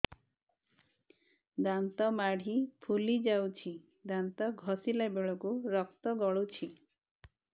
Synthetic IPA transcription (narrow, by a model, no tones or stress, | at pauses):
d̪ant̪ɔmaɽ̤ipʰulid͡ʒawt͡ʃʰi | d̪ant̪ɔɡʱɔsilabeɭɔkuɾɔk̚t̪ɔɡɔɭut͡ʃʰi